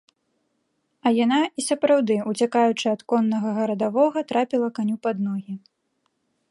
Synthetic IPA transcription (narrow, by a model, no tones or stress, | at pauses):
ɐjanaisɐpɾawd̪ɨut͡sʲakajut͡ʂɨɐt̪kɔnːɐɣɐɣɐɾɐd̪avɔɣɐt̪ɾapʲilˠɐkanʲupad̪nɔɣʲi